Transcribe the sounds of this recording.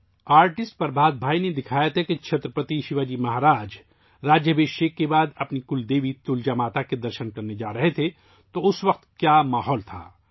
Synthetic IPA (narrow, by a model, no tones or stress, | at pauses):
aːɾʈɪsʈ̚pɐɾbʱaːd̪̚bʱaːined̪ɪkʰaːjət̪ɦɛkit͡ʃʰɐt̪ɾəpət̪iʃɪʋaːd͡ʒimɐɦaːɾaːd͡ʒ | ɾaːd͡ʒjəbeːʃeːkːebaːd̪ɐpnikʊld̪eːʋit̪ʊld͡ʒamaːt̪aked̪ɐɾʃənkɐɾned͡ʒaːɾɐɦet̪ʰe | t̪oʊsʋɐq̚t̪kjaːmaːɦɔːlt̪ʰa̰ː